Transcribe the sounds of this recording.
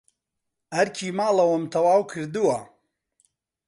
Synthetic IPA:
ɐɾkʰiːmaːlɐwɐmt̪ʰɐwaːwkʰɨɾd̪ɨwɐ

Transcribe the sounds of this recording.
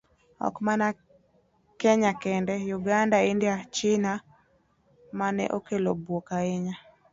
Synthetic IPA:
ɔ̰kmana | kɛɲakɛndɛjuɡandaɪndjat͡ʃɪna | manɛ̰ʔokelobwokaɪɲa

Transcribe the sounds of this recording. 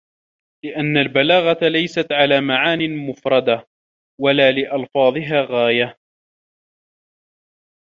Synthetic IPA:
lɪʔanːalbalaːɣat̪lajsat̪ʕalaːmaʕaːnɪmʊfɾˤɑd̪a | walaːlɪʔɑlfɑːðˤɨɦaːɣaːja

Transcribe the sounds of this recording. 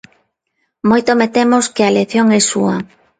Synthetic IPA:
mojt̪omet̪emoskɪaleθjoŋɛsuɐ

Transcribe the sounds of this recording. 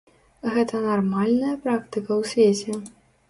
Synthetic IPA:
ɣɛt̪ɐnarmalʲnɐjɐpɾakt̪ɨkɐwsʲvʲet͡sʲɛ

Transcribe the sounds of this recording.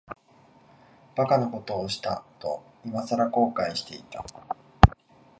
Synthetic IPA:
b̥akanoko̞t̪o̞ːɕi̥t̪a̰t̪o̞̰ | imasaɾako̞ːkaiɕi̥t̪e̞it̪a

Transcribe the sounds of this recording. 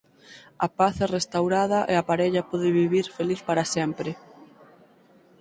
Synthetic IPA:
ɐpaθɛrest̪awɾaðɐʔeapaɾɛʎɐpɔðɪβiβiɾfeliθpaɾɐsɛmpɾɪ

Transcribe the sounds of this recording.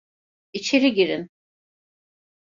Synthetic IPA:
it͡ʃʰeɾiɟiɾin

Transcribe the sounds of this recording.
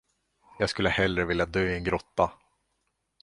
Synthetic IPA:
jɑːɡskɵlːəhɛlːɾəvɪljad̪œjɛnɡɾɔt̪ːa

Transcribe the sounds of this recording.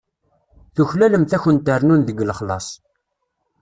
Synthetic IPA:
θuçlæləmθæçənt̪əɾnunðəɡləχlɑ̰sˤ

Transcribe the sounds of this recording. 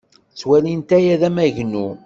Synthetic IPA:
t͡sːwælint̪æjæðæmæʝnu

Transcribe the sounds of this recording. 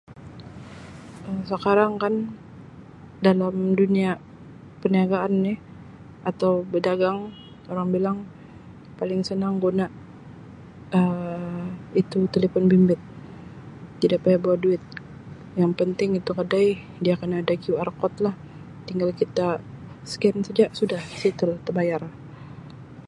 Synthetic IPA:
əsəkaɾaŋkan | dalamdunia | pəniaɡaːnːɪh | at̪awbədaɡaŋ | oɾaŋbilaŋ | palɪŋsənaŋɡonaʔ | ə | it̪ut̪eləfɔnbimbɪt̪̚ | idaʔpajabawahduɪt̪̚ | jaŋpənt̪ɪŋit̪ukədaj | diakənadaɡiuarkɔt̪̚lah | t̪iŋɡalkit̪a | skɛnsəd͡ʒaʔsudahsit̪əlt̪ərbajar

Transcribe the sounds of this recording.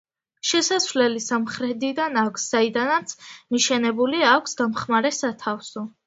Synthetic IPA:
ʃɛsasvlɛlisamχɾɛd̪id̪anakʷʰsz̥aid̪anat̪sʰmiʃɛnɛbuliakʷʰsɡamχmaɾɛsat̪ʰafsɔ

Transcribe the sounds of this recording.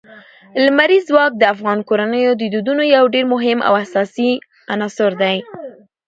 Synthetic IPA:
lmaɾizwɑk̚d̪əafɣɑnkoɾanəjod̪əd̪ud̪unojawɖeɾmʊɦɪma̰wasɑsi | anɑsʊɾd̪aj

